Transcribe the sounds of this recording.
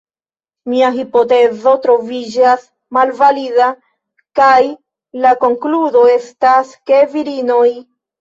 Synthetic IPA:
miaɦipo̞te̞zo̞tɾo̞vid͡ʒas | malvalida | kaj | lako̞ŋkludo̞e̞staske̞viɾino̞j

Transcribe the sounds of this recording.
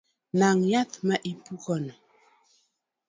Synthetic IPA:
naŋjatmaʔipukɔn

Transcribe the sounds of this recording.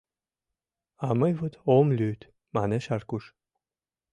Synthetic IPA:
aməjvut̪omlʲyt̪ | manɛʃarkuʃ

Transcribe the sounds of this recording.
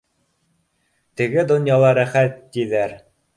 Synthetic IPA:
t̪ɘ̆ɡɘd̪ŏnjɑlˠɑɾæχæt̪ːiðæɾ

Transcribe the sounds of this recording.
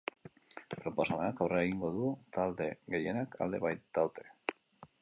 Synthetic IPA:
pɾo̞po̞samenakawreaeɣ̞iŋɡo̞ðut̪ald̪e̞ɣe̞je̞naka̰ld̪e̞βajt̪̚d̪awt̪e̞̥

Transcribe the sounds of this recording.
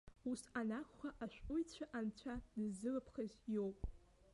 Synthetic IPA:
usanakʷχʷaʔaʃʷᶣʊjt͡ɕʷʰaʔant͡ɕʷʰadɨzːɨlɨpʰχazjo̞wpʼ

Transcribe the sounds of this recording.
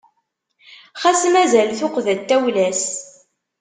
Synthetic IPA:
χæsmæzælθʊqðæt̪ːæwlæs

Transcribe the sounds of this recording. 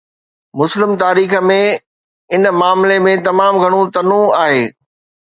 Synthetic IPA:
mʊslɪmt̪aːɾiːxə̆mẽ | ɪnmaːmlemẽt̪ɐmaːmɡʱɐɽ̃ũt̪ɐnũaːɦeː

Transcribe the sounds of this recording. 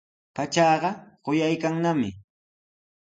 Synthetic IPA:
pat͡ʃɑːɢɑɢojajkaŋnamɪ̰

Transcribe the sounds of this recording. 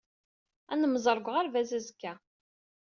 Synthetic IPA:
ænəməzˤəɾˤɡʷʁaɾvæzæzəkːæ

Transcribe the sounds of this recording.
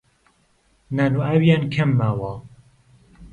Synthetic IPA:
naːnuʔawjaːnkʰɐmːaːwa

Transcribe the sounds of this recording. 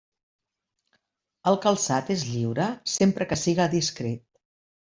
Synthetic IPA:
əlˠkəlˠsat̪ezʎiwɾəsempɾəkəsiɣəðiskɾet̪̚

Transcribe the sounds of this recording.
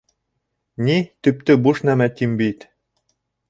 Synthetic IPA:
nit̪ɵ̆p̚t̪ɘbuʃnæmæt̪ʲimbit̪

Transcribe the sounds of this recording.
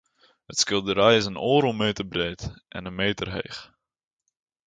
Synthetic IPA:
hətskɪlˠdəɾɛjɪsənoːɾəlˠmeːtərbreːtʔɛ̰nənmeːtərɦḛjχ

